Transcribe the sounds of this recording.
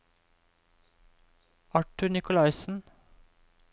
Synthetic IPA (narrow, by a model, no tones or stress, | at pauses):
ɑʈʉɳɪkʊlɑɪsn̩